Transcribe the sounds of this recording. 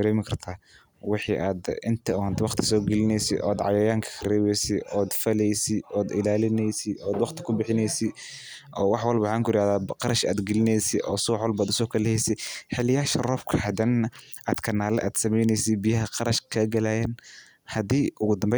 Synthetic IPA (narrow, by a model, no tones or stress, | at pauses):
ɾɛːmɪkʰɐrt̪ʰaː | wɪħiːʔaːd̪ɪnt̪ʰɐʊhnt̪ʰɪwɑqt̪ʰɪ̥sɔːɡɛlɪnɛjsɪ̰ʔɔ̰ːd̪ʕɑ̰jɐjaːŋkʰɐ̥kʰɐrɛːβɛjsɪɔːd̪fɐlɛjsɪʔɔːd̪ɪlaːlɪnɛjsɪʔɔːd̪wɑqt̪ʰɪ̥kʰʊbɪħɪnɛjsɪ | ʔɔːwɑħwɑlbɐħaːŋkʰʊjɪɾaːðaːqɑɾɐʃa̰ːd̪ɡɛlɪnɛjsɪʔɔːsʊːwħwɔlbaːd̪ʊsɔːkʰɐlɛhɛjsɪħɪlɪjaːʃɐrɔːfkʰɐhɐd̪ɐnɐʔaːd̪kʰɐnːaːlɛ̰ʔa̰ːd̪̥sɐmɛjnɛjsɪbijɐɦɐqɑɾɐʃkʰɐɡɐlaːjɛn | hɐd̪iːʔʊɣʊd̪ɐmbɛj